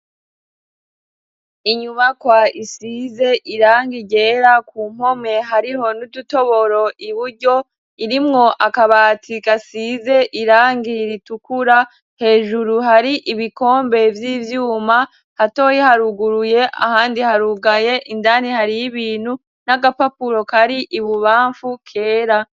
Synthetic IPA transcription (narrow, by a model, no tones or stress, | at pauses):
iɲuβakwaisize̞ʔiɾaːŋɡiɟe̞ɾakʰuːm̥ho̞me̞ɦaɾiho̞nuduto̞βo̞ɾo̞ʔiβuɾɟo̞ | iɾimŋo̞ʔakaβatʰikasize̞ʔiɾaːŋɡiɾitukuɾa | he̞ːʒuɾuɦaɾiʔiβiko̞ːmbe̞vjiːvjuːma | hato̞ːjihaɾuɡuɾuje̞ʔa̰haːndihaɾuɡaje̞ʔindanihaɾijiβiːn̥hu | naɡapapuɾo̞kaɾiʔiβuβaːɱfukʰe̞ːɾa